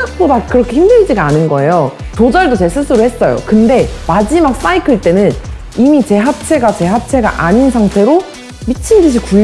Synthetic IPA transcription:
ak̚p͈odakɯɾʌkʰe̞çimdɯɭd͡ʑiɡaanɯnɡʌe̞jotod͡ʑʌɭdot͡ɕe̞ɭs͈ʰɯs͈ʰɯɾuhe̞s͈ʌjo̰kɯnde̞mad͡ʑimak̚s͈aikʰɯɭt͈e̞nɯn | imit͡ɕe̞ɦap̚t͡ɕʰe̞ɡat͡ɕe̞ɦap̚t͡ɕʰe̞ɡa̰ʔaɲinsʰaŋtʰe̞ɾo | mit͡ɕʰindɯɕ̬ʰiku

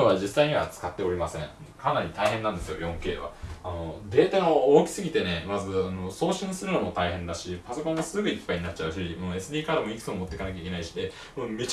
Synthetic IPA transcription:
oβad͡ʑisːaiɲ̟iβa̰t͡sɨ̥kat̪ːe̞o̞ɾʲimasẽ̞ŋ | kanaɾʲit̪aiɦenːãnd̪e̞sɨjo̞̰jõ̞ŋke̞ːβa̰ano̞d̪e̞ːt̪anooːkʲi̥sɨɡʲit̪e̞ne̞mazɨano̞so̞ːɕĩɰ̃sɨɾɯ̟nomo̞t̪aiɦẽ̞nd̪aɕipaso̞kõɰ̃ɡasɨɡɯ̟ipːaiɲinat͡ɕ̚ːaɯ̟ɕimoe̞sɨdʲiːkad̪emo̞ikɯ̟t̪omot̪ːekanak̬ʲaikʲe̞naiɕi̥d̪e̞ | mome̞t͡ɕ

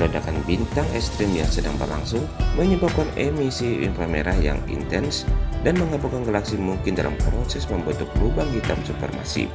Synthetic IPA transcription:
lodakanbint̪aŋɛst̪ɾɪmjaŋsədaŋbərla̰ŋsʊŋməɲəbap̚kanɛmisiḭnfəlmeɾaja̰ŋḭnt̪ɛnsdanməŋabukanɡəlaksimuŋkɪnda̰lʔa̰mpɾosɛsməmbət̪ʊklubaŋhit̪amsupə̰rma̰sḭ

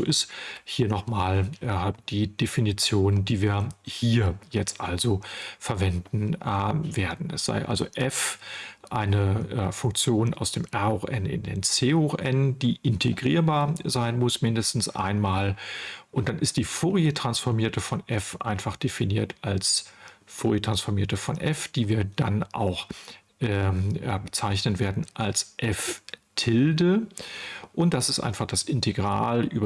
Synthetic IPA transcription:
zo̰ːʔɪsthiːɐnɔχmaːlʔd̥iːd̥efinit͡sjoːnəndiːviːɐhiːɐjɛt͡stʔalzofɛɐvɛndn̩veːɐdn̩ɛ̰sz̥a̰ɪʔa̰lzo̰ʔɛfʔaɪnəfʊŋk̚t͡sjoːna̰ʊsd̥eːmʔɛɐoʔɛnɪ̰ndḛːnt͡seːoʔɛnd̥iːʔɪntʰeɡʁiːɐbaːɐzaɪnmʊsmɪndəstn̩sʔa̰ɪnmaːlʔʊnt̚d̥anɪst̚d̥iːfoːʁjətʁ̥ansfɔɐmiːɐtəfɔnʔɛfʔa̰ɪnfaχd̥efiniːɐtʔalsfoːʁjətʁ̥ansfɔɐmiːɐtəfɔnʔɛfd̥iːviːɐda̰nʔa̰ʊx | ʔɛːɛɐbət͡saɪçnənveːɐdn̩ʔalsʔɛftʰɪldə | ʔʊnt̚d̥asɪstʔa̰ɪnfaχd̥asɪntʰeɡʁa̰ːlʔy̰ːbɐ

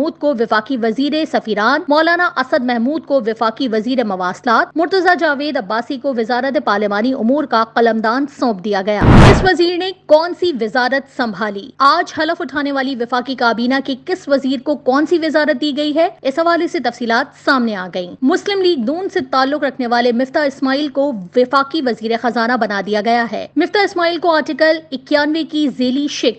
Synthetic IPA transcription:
uːd̪̚koʋɪfaːqiʋɐziːɾesɐfiːɾaːnmɔːlaːnaʔɐsəd̪̚mɛɦmuːd̪̚koʋɪfaːqiʋɐziːɾemɐʋaːslaːt̪̚mʊɾt̪əzad͡ʒaːʋeːd̪ɐbːaːsikoʋɪzaːɾət̪̬epaːɾlɪmaːniʔʊmuːɾkaqɐləmd̪aːnsɔ̃ːpd̪ijaɡɐja̰ːɪsʋɐziːɾnekɔːnsiʋɪzaːɾət̪sɐ̃mbʱaːlḭːaːd͡ʒɦɐləfʊʈʰaːneʋaːliʋɪfaːkikaːbiːnakikɪsʋɐziːɾkokɔːnsiʋɪzaːɾət̪̚d̪iːɡɐiɦɛɪsɦɐʋaːleset̪ɐfsiːlaːt̪saːmneaːɡɐḭːmʊslɪmliːɡ̚nuːnset̪aːlːʊqɾɐkʰneʋaːlemɪft̪aɪsmaːiːlkoʋɪfaːqiʋɐziːɾexɐzaːnabɐnad̪ijaɡɐjaɦɛ̰ːmɪft̪aɪsmaːiːlkoaːɾʈɪkəlɪkjaːnʋekizeːliʃɪk

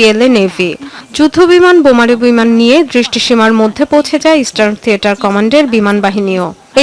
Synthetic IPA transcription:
ielenevʱid͡ʑud̪ʱobimanbomaɾebimanːijed̪ɾiʃʈiʃimaɾmod̪ʱːepowt͡ɕʰed͡ʑaeisʈaɾt̪ʰieʈaɾkɔmaɳɖeɾbimanbaɦinio | e

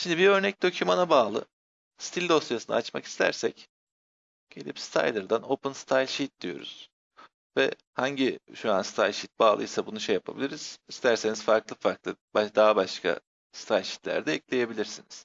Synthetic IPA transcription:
ʃimd̪ibiø̞ɾnɛc̚d̪o̞cʰumanabaːlˠɯ̰ | st̪ʰilʲd̪o̞st̪jasɯna̰at͡ʃma̰ki̥st̪ʰæ̰ɾsɛc | ɟ̥e̞lʲḭpst̪ʰa̰jlʲˠɯɾd̪ano̞pɯnst̪ʰajlʲʃit̪̚d̪ijo̞̰ɾṵz̥ | vɛ̰ | haɲɟiʃuanst̪ʰajlʲʃit̪̚baːlˠɯ̰jsabunuʃejapʰabilʲiɾiz̥ist̪ʰæɾse̞niz̥faɾklˠɯfaɾklˠɯbad̪aːbaʃkʰa̰ | sɨ̥t̪ʰajlʲʃi̥t̪lʲæ̰ɾd̪ɛɛclʲe̞je̞bilʲiɾsiniz̥

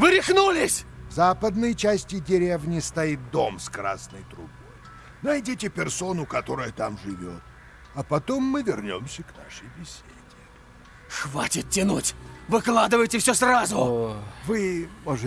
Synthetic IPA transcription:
vɨɾʲɪxnulʲɪsʲvzapəd̪nɨjt͡ɕæsʲtʲɪdʲɪɾʲevnʲɪst̪ɐit̪̚d̪o̞mskɾa̰snəjt̪ɾʊbo̞̰j | nɐjdʲitʲɪpʲɪrso̞nʊkɐt̪o̞ɾɨjət̪amʐɨvʲo̞̰t̪̚ | ɐpɐt̪o̞mːɨvʲɪrnʲo̰msʲəkna̰ʂəjbʲɪsʲedʲɪ | xvatʲɪt̪̚tʲːɪnutʲvɨklˠad̪ɨvəjtʲɪfsʲosrazʊvɨmoʐɨ

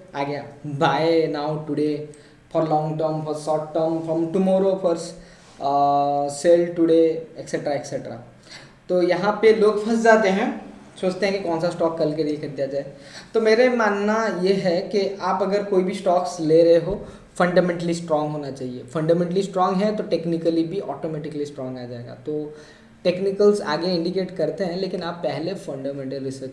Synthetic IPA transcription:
aːɡejabʱaːenaːʊʈʊɖe | fɔːɾlɔ̃ːŋɡʈəɾmfɔːɾsɔːʈʈəɾmfɾɔ̃mʈʊmɔːɾofʰɔɾs | seːlʈʊɽeekseʈɾaekseʈɾa̰ː | t̪oːjɐɦãpeloːɡpʰɐsd͡ʒaːt̪eɦɛ̃ | soːt͡ʃt̪ẽɦɛ̃kikɔ̃ːnsasʈɔːkːɐlkeɾikɐɾd̪ijad͡ʒaːe | t̪omeːɾemaːnnajeɦɛkiʔaːpɐɡəɾkoːibʱisʈɔːksleɾɐɦeɦo | fɐ̃ɳɖaːmɛ̃ːɳʈəlisʈɾɔ̃ːŋɡɦoːnat͡ʃaːɦiefɐ̃ɳɖaːmɛ̃ːɳʈəlisʈɾɔːŋɡɦɛt̪oʈeːknɪkəlibʱiʔɔːʈoːmɛːʈɪkəlisʈɾɔːŋɡaːd͡ʒaːeɡa̰t̪oː | ʈeːknɪkəlza̰ːɡeɪ̃ɳɖikeːʈkɐɾt̪eɦɛ̃leːkɪnaːpːɛɦlefɐ̃ɳɖaːmɛ̃ɳʈəlɾɪsəɾt͡ʃ

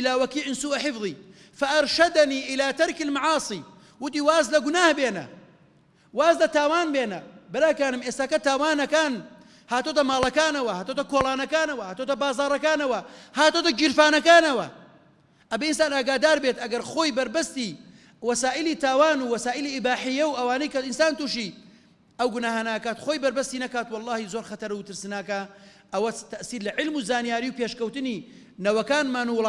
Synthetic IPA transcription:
ɪlaːwɐkiːʕɪnsuːʔaħɪfðˤiː | fɐʔɐɾʃɐd̪ɐniːʔɪlaːt̪ɐɾkɪlmaʕɑːsˤiː | wʊt̪iːwaːzlɐɡʊnaːhbeːnɐ̰ | waːzlɐt̪aːwaːnbeːnɐbɪɾaːkaːnɨmʔeːst̪aːkɐt̪aːwaːnɐkaːn | haːt̪ot̪ɐmaːlˠɐkaːnɐwɐhaːt̪ot̪ɐkoːlaːnɐkaːnɐwɐhaːt̪ot̪ɐbaːzɑːɾˤɐkaːnɐwɐhaːt̪oːt̪ɐd͡ʒiɾfaːnɐkaːnɐwɐ̰ | ʔɐbeinsaːnaːɡaːd̪aːɾbet̪ɐɡɐɾxo̞ːjbɐɾbɐst̪i | wɐsaːʔilit̪aːwaːnuwɐsaːʔiliɪbaːħijɐwɐwaːnɐjkɐɪnsaːnt̪uʃi | ɐwɡʊnaːɦaːnɐʔakaːt̪xoːjbɐɾbɐst̪inɐkaːt̪wɑlˠːɑːhizoːɾxɐt̪ɐɾɐwt̪ɨɾsɨnakɐ | ʔɐwɐt̪ɐʔsiːɾlɐʕɪlmuzaːnijaːɾiwpeʃkɐwt̪ɨni | nɐwɐkaːnmaːnuw

